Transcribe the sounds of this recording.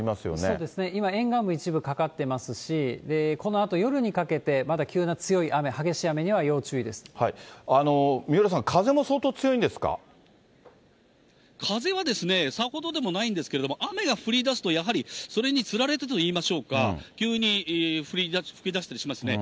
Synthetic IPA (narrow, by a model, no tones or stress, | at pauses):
imasɨjo̰nsoːd̪e̞sɨne̞imaẽ̞ŋɡãmbɯit͡ɕibɯ̟kakat̪ːe̞masɨɕid̪e̞ko̞no̞at̪o̞jo̞ɾɯ̟ɲ̟ikake̞t̪e̞mad̪akʲɨːnat͡sɨjo̞iʔame̞haɡe̞ɕiame̞ɲ̟iβajo̞ːt͡ɕɨːid̪e̞sɨ̥haiano̞mʲioɾas̬ãŋkʰaze̞mo̞soːt̪oːt͡sɨjo̞ĩnd̪esɨ̥ka̰ | kʰaze̞βad̪e̞sɨne̞saho̞d̪o̞d̪e̞mo̞naĩnd̪esɨ̥ke̞ɾe̞d̪omoʔame̞ɡaɸɯ̟ɾʲid̪asɨ̥t̪o̞jaɦaɾʲiso̞ɾe̞ɲ̟it͡sɨɾaɾe̞t̪et̪t̪oiːmaɕo̞ːkakʲɨːɲ̟iɸɯ̟ɾʲiɸɯ̟ɾʲid̪aɕi̥t̪aɾʲiɕimasɨne̞